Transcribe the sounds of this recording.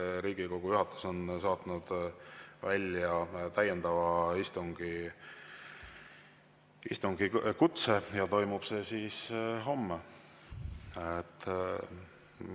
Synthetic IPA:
ɾiːɡ̥iko̞ɡ̥ujuhɑt̪ːˑu̥so̞nsɑːt̪nud̪̥vælʲjɑt̪æjend̪̥ɑvɑist̪uŋɡ̥i | ist̪uŋɡ̥ikut̪sejɑt̪o̞jmub̥se̞ːsiːsɦo̞mːe | et̪ː

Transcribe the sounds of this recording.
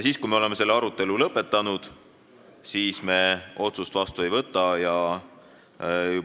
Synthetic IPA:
jsiːskujme̞ole̞me̞se̞lːeɑɾut̪ːˑe̞lulɤpːe̞t̪ːˑɑnud̪̥ | siːsme̞o̞t̪sust̪vɑst̪uejvɤt̪ˑːɑjɑ | ju

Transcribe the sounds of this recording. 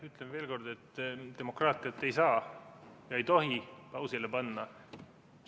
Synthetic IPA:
yt̪lemve̞ːlko̞rd̪e̞t̪ːt̪e̞mo̞krɑːt̪ˑiɑt̪ːˑe̞jsɑːjɑejt̪o̞ɦipɑwsilepɑnːɑ

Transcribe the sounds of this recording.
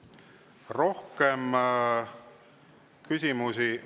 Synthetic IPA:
ro̞hkem | kysʲimusi

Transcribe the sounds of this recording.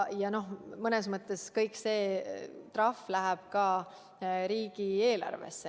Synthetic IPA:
jɑno̞ɦmɤnes̬mɤt̪ːˑe̞skɤjkse̞ːt̪rɑflæɦæb̥kɑː | ɾiːɡ̥ie̞ːlɑ̰rvḛsːe

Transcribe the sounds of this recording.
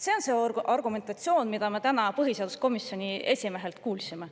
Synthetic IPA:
se̞o̞nse̞ɑrɡ̥ume̞nt̪ˑɑt̪sio̞ːnmid̪̥ɑme̞t̪ænɑpɤɦise̞ɑd̪usko̞misjo̞nʲie̞sʲime̞ɦe̞lt̪kuːlsime̞

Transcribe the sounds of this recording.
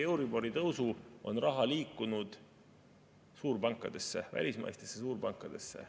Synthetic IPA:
e̞wɾibo̞ɾit̪ɤwsuʔo̞̰nrɑɦɑliːkːˑunud̪̥ | suːrbɑŋkːˑɑd̪̥e̞sːe̞væ̰lʲismɑ̰jst̪esːesuːrbɑŋkˑːɑd̪̥e̞sːe̞̰

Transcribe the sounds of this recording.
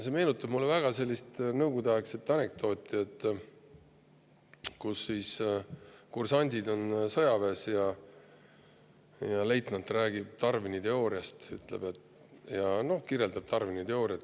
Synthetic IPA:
se̞me̞ːnut̪ːˑɑbmulːevæɡ̥ɑse̞lʲːist̪nɤwɡ̥ud̪eɑekset̪ːɑnek̚t̪o̞ːt̪ʲːˑiet̪ˑː | kusːiːs | kursɑnʲd̪̥ʲid̪o̞nsɤjɑve̞ːsjɑ | jɑle̞jt̪ˑnɑt̪ːræːɡ̥ib̥̚t̪ɑrvinit̪e̞o̞ːɾiɑst̪y̰t̪lḛb̥e̞t̪ | jɑno̞hkirjeld̪ɑb̥̚t̪ɑrvinit̪e̞o̞ːɾiɑt̪ː

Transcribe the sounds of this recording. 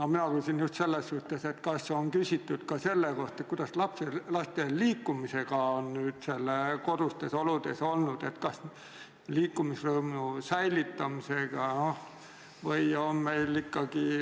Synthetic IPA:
nominɑkyːsʲinjust̪se̞lːesːuht̪ˑe̞se̞t̪kɑsːoŋkysʲit̪ːˑud̪̥kɑse̞lːeko̞ht̪et̪̚kuid̪̥ɑslɑpselɑst̪eliːkːumise̞ɡ̥ɑonnyːd̪̥selːeko̞d̪̥ust̪e̞so̞lud̪̥e̞so̞lnud̪̥e̞t̪kɑs | liːkːˑumisrɤːmusæjlit̪ːɑmise̞ɡ̥ɑno | vɤjonme̞jlːikːɑɡ̥i

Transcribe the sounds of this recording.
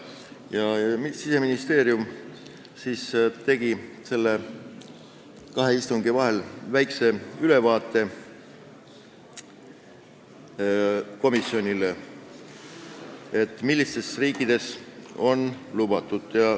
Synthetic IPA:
jɑmisise̞minist̪e̞ːɾjum | siːst̪e̞ɡ̥i | se̞lːe | kɑɦe̞ist̪uŋɡ̥ivɑɦe̞lvæjkse̞yle̞vɑːt̪ˑːe̞ | ko̞misːio̞nʲile | e̞t̪ˑːmilːist̪e̞sriːkːˑid̪̥e̞so̞nlub̥ɑt̪ːˑud̪̥jɑ

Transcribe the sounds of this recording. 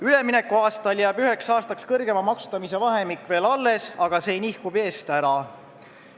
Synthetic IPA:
yle̞minekːˑuɑːst̪ɑljæːbyɦe̞ksɑːst̪ɑkskɤrɡ̥e̞mɑmɑksu̥t̪ːɑmise̞vɑɦe̞mikːˑve̞ːlɑlːe̞sɑɡ̥ɑse̞jnihkube̞ːst̪æɾɑ

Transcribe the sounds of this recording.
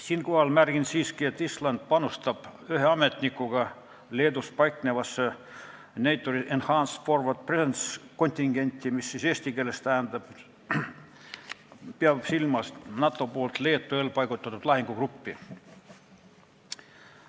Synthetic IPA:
siːnko̞hɑlmærɡ̥insiːskie̞t̪ːislɑnd̪̥̚pɑnust̪ɑb̥yɦeɑme̞t̪nikːˑuɡ̥ɑ | le̞ːd̪uspɑjkne̞vɑsːe | nejt̪ːˑoɾiʔenhɑːnsfo̞rvɑt̪̚presensko̞nʲt̪ʲiŋɡ̥e̞nʲt̪ʲːˑimisːise̞ːsʲt̪ike̞ːle̞st̪æːnd̪̥ɑb̥ | peɑb̥silmɑsnɑt̪ːˑo̞poːlt̪le̞ːt̪ˑːueːlpɑjɡ̥ut̪ːˑɑt̪ːˑud̪̥lɑɦiŋɡ̥ukrupːi

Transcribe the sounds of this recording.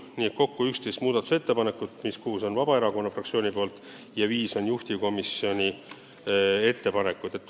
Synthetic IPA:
niːe̞t̪̚ko̞kːuykst̪ejst̪muːd̪ɑt̪ːˑu̥se̞t̪ːe̞pɑne̞kːut̪ˑmiskuːso̞nvɑbɑe̞ɾɑko̞nːɑfrɑkt̪sio̞ːnʲipo̞ːlt̪ˑ | jɑviːso̞njuht̪iko̞misːio̞nʲi | e̞t̪ːe̞pɑne̞kːˑud̪̥e̞t̪ː

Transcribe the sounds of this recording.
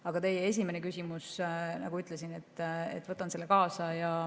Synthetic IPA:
ɑɡ̥ɑt̪e̞jee̞s̬ʲimenekysʲimusnɑ̰ɡuyt̪ˑlesinet̪ːḛt̪ːˑvɤt̪ːˑɑnse̞lːekɑːsɑjɑ

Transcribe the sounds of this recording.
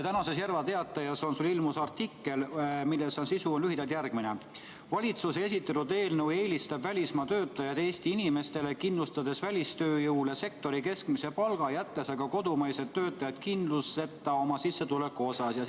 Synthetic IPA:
t̪ænɑse̞sjærvɑt̪e̞ɑt̪ːˑɑjɑso̞nsulilmusɑrt̪ikːe̞lmilːesonsisuonlyhɦid̪ɑlt̪jærɡ̥mine | vɑlʲit̪susee̞sit̪ːˑet̪ud̪e̞ːlnewe̞ːlʲist̪ɑbvælʲismɑt̪ø̞ːt̪ːˑɑjɑd̪e̞ːst̪iinime̞st̪e̞le̞kinlust̪ɑd̪e̞svælʲist̪øːjɤwlese̞k̚t̪o̞ɾike̞skmise̞pɑlɡ̥ɑjæt̪ːe̞sɑɡ̥ɑko̞d̪umɑjset̪ːø̞ːt̪ːˑɑjɑd̪̥̚kind̪luse̞t̪ːˑɑo̞mɑsisːe̞t̪ule̞kːˑuo̞sɑsjɑ

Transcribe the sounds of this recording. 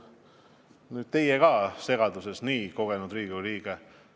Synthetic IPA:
nyːd̥̪̚t̪e̞jeɡɑːse̞ɡ̥ɑd̪use̞sniːko̞ɡ̥e̞nud̪riːɡuliːɡ̥e

